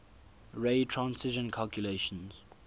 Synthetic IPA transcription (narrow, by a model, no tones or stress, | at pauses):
ɹeɪtʰɹãnsɪʒə̃nkʰalkʰjuleʃə̃nz̥